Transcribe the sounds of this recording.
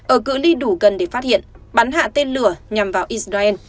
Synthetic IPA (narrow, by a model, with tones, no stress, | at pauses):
ʔəː˧˩kɨ̰˧˥li˧ɗu˧˩ɣə˨˩nɗe˧˩faː˦˥t̚hḭ˧˨ənɓa˨˦nɦa̰ː˧˨t̪e˧nlɨ˨˩əɲa˨˩mvaː˨˩wʔi˦˥s̚zaː˧ʔɛ˧n